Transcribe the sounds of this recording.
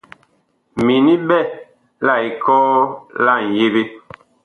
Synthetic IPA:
mi˨ni˦bɛ˦˨ | la˦˨i˨kɔː˦la˦˨n̩˨je˦be˦

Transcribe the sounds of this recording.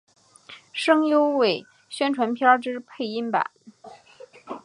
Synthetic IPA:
ʂɤ˥ŋjo˥ʊwe˨˩ɪ | ɕɥɛ˥nʈ͡ʂʰwa˧˥npʰjɑ˥ʈ͡ʂɻ̩˥pʰe˥˧ɪi˥npa̰˨˩˦n

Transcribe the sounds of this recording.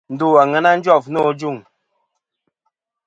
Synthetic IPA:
n̩˨du˦˨a˨ŋɛ˨˦na˦n̩˦d͡ʒwɔ˦˨fnɔ˦˨d͡ʒu˦˨ŋ

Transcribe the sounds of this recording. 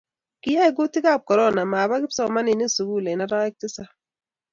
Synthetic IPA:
ki˦ja˦i˨ɡu˦ti˦ka˦˨p̚kɔ˨ɾɔ˦na˨ma˨ba˦ki˦psɔ˦˨ma˦ni˨ni˦su˨ɡu˦˨le˨na˦ɾa˦ɛ˦k̚ti˦sa˦

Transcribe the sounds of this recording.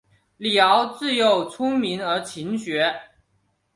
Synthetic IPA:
ljɑ˧˥ʊt͡sɹ̩˥˩jo˥˩ʊt͡sʰʊ˥ŋmi˧˥nə˞˧˥t͡ɕʰi˧˥nɕɥɛ˧˥

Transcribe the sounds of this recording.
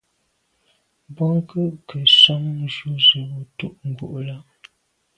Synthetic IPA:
bɔ˦ŋ˦kə˦ʔkə˨sɔ˦m̩˦ʒu˦zə˨wo˦tu˦ʔŋ̩˨ɡu˨ʔla˦

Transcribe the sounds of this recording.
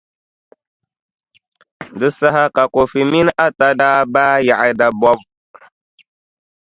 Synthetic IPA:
dɨ˦sa˦ɦa˦ka˨ko˨fi˨mi˦na˦ta˦daː˦baː˦ja˨ʔa˦da˨bɔ˦b

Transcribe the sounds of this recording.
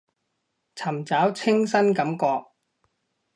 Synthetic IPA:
t͡sʰɐ˨˩mt͡saː˨˥wt͡sʰɪ˥ŋsɐ˥nkɐ˨˥mkɔː˧k̚

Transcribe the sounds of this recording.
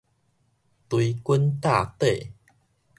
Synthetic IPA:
t̪wi˧ku˦nt̪a˥˧˨t̪e˥˨

